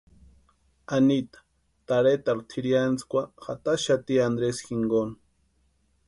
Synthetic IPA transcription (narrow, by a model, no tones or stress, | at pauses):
anit̪ḁ | t̪aɾet̪aɾt̪ʰiɾjant͡skʷaxa̰t̪aʃat̪iand̪ɾesxiŋɡon